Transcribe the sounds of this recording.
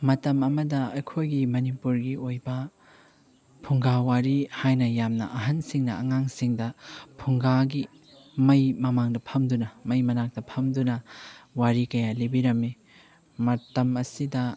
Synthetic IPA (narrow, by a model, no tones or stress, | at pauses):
mɐtɐmɐmɐdɐɐjkʰojɡimɐnipuɾɡiojbɐ | pʰuŋɡawaɾihajnɐjamnɐ̰ʔɐɦɐnsiŋnɐɐ̰ŋaŋsiŋdɐpʰuŋɡaɡi | mɐjmɐmaŋdɐpʰɐmdunɐmɐjmɐnak̚dɐpʰɐmdunɐwaɾikɐjalibiɾɐmːi | mɐtɐmɐsidɐ